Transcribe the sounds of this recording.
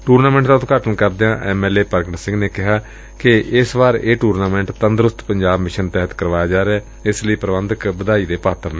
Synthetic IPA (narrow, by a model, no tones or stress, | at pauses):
ʈuːɾnaːmɛ̃ːɳʈd̪aːʊt̪kaːʈənkəɾd̪eãːʔɛːmɛːleːpəɾɡnəsɪ̃ŋɡneːkɪɦaː | kɪɪsʋaːɾeːʈuːɾnaːmɛ̃ːɳʈt̪ənd̪ɾʊst̪pəɲd͡ʒaːbmɪʃənt̪ɛːɦət̪kəɾʋaːjaːd͡ʒaːɾeɛː | ɪsləiːpɾəʋə̃nd̪əkbəd̪aːiːd̪eːpaːt̪əɾne